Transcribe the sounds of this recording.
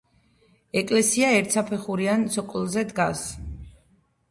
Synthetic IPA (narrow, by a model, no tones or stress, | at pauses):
ɛkʼlɛsiaɛɾt̪sapʰɛχuɾiansɔkʼlzɛd̪ɡas